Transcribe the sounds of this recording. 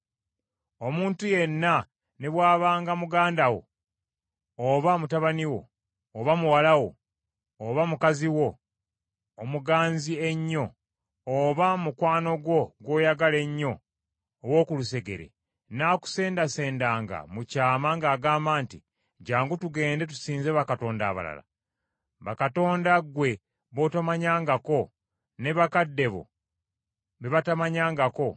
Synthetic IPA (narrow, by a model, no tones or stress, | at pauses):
o̞muːntuje̞nːa | neβwaːβaːŋɡamuɡaːndawo̞̰ | βamutaβaniwo̞̰ː | βamuwalawo̞ː | βamukaziwo̞ː | muɡaːnzieɲːo̞ː | βamukwaːno̞ɡwo̞ɡwo̞ːjaɡale̞ɲːo̞ː | wo̞ːkuluse̞ɡe̞̰ɾḛ | naːku̥se̞ːndase̞ːndaːŋɡa̰mucaːmaŋɡaːɡaːmbaːnti | ɟaːŋɡutuɡe̞ːnde̞t̬u̥siːnzeβakato̞ːnda̰ːβa̰la̰la̰ | βakato̞ːndaɡwe̞ | βo̞tamaɲaːŋɡako̞ | ne̞βakadːe̞βo̰ | βeβatamaɲaːŋɡako̞